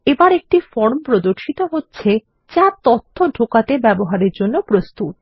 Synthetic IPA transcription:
ebaɾek̚ʈifɔɾmpɾod̪oɾʃit̪oɦotːɕʰe | t͡ɕat̪ɔt̪ʰːoɖʱokat̪ebɛboɦaɾeɾd͡ʑonːopɾost̪ut̪̚

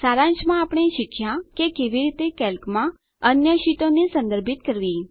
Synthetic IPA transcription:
saɾãnʃmãapɽ̃eʃɪkʰjãkekeʋiɾit̪ekɛlkmã | ənjəʃit̪õnesə̃nd̪əɾbʱɪt̪kəɾʋi

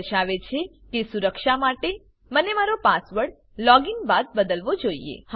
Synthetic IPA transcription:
ʃaʋet͡ʃʰe | kesuɾəkʃamaʈe | mənemaɾopasʋəɽ | lɔɡiŋɡbad̪̚bəd̪əlʋod͡ʒoḭḛh

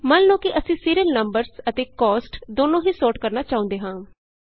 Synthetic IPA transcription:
mənnõːkɪʔəsĩːsiːɾiəlnəmbəɾsət̪eːkɔːsʈd̪oːnõːɦiːsoːʈkəɾnaːt͡ʃaːʊ̃nd̪eːɦãː

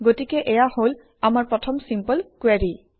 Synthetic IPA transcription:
ɡotikɛʔɛjahol | amaɹpɹɔtʰɔmsimpɔlkwaɹi

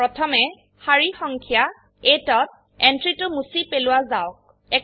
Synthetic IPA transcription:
pɹɔtʰɔmɛ | haɹixɔŋkʰija | etɔt̚ | ɛntɹitʊmusipelʊwazaʊk̚ | ɛ

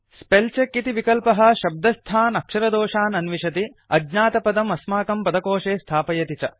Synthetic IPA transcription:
spelt͡ʃekːit̪iʋikɐlpɐɦɐ̆ʃɐb̚d̪ɐst̪ʰaːnɐkʂɐɾɐd̪ɔːʂaːnɐnʋiʃɐt̪i | ɐɡɲaːt̪ɐpɐd̪ɐmɐsmaːkɐmpɐd̪ɐkoːʂeːst̪ʰaːpɐjɐt̪it͡ʃɐ

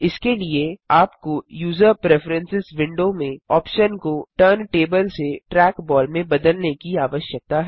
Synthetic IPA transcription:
ɪskelieaːpkojuːzəɾpɾeːfɾə̃nsɪzʋɪ̃ɳɖomẽɔːpʃənkoʈəɾnʈeːbəlseʈɾɛːkbɔːlmẽbɐd̪əlnekiaːʋəʃjək̚t̪aɦɛ

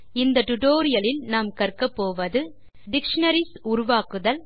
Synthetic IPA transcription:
ɪnd̪ɐʈʊʈoːɾɪjɐlɪlnaːmkɐɾkɐpːoːʋɐðɯ | ɖɪkʂɐnɐɾɪsʊɾʊʋaːkɯðɐl

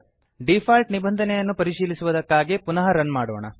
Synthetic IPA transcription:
ɖipʰaːlʈnibɐnd̪ʱɐnɛjɐnːupɐɾiʃiːlisuʋɐd̪ɐkːaːɡepunɐɦɐɾɐnmaːɽɔːɳɐ̰

